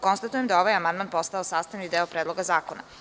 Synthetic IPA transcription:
ko̞nst̪at̪ujemd̪ao̞ʋajamand̪manpo̞st̪aosaːst̪aʋnid̪eːopɾedlo̞ɡazaːkona̰

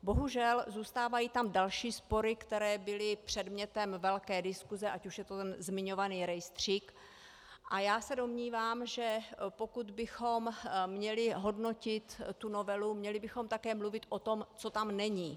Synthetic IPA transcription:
bo̞ɦuʒɛlzuːst̪aːvajiːt̪amdalʃiːspo̞ɾɪkt̪ɛɾɛːbɪlɪpr̝̥ɛdmɲɛt̪ɛmvɛlkɛːdɪskuzɛʔacuʃjɛt̪ot̪ɛnzmɪɲo̞vaniːɾɛjst̪r̝̥iːk | ʔajaːsɛdo̞mɲiːvaːmʒɛpo̞kud̪bɪxo̞mmɲɛlɪɦo̞dno̞cɪt̪ːuno̞vɛlumɲɛlɪbɪxo̞mt̪akɛːmluvɪt̪ʔo̞t̪o̞mt͡so̞t̪amnɛɲiː

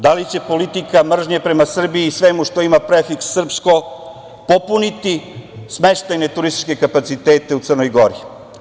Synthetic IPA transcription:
d̪alit͡ɕe̞po̞lit̪ikamr̩ʒɲepɾe̞masr̩biːsʋemuʃt̪o̞imapɾefiksːr̩psko̞ | po̞punit̪isme̞ʃt̪ajne̞t̪uɾist̪i̥t͡ʃke̞kapat̪sit̪eːt̪e̞ut̪sərno̞jɡo̞ɾi

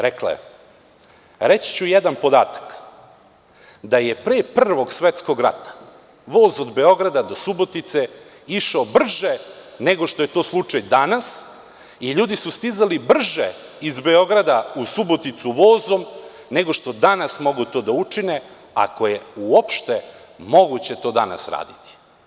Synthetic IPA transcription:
ɾekla̰ḛ | ɾet͡ɕi̥t͡ɕujed̪anpo̞d̪a̰ːt̪ḁk | d̪aje̞pɾeːpr̩ʋo̞ɡsʋet̪sko̞ɡɾa̰t̪ḁ | ʋo̞ːzod̪be̞o̞ɡɾad̪ad̪o̞subo̞t̪it̪se̞ | iʃaobr̩ʒene̞ɡo̞ʃt̪o̞je̞t̪o̞ːslˠut͡ʂajd̪anas | iʎuːd̪isust̪izalibr̩ʒe | izbe̞o̞ɡɾad̪ausubo̞t̪it̪suʋo̞ːzo̞m | ne̞ɡoʃt̪o̞d̪anasmo̞ɡut̪o̞ːd̪aut͡ʂine | a̰ko̞jeuo̞pʃt̪e̞ | mo̞ɡut͡ɕe̞t̪o̞ːd̪a̰na̰sɾa̰ːd̪it̪i̥

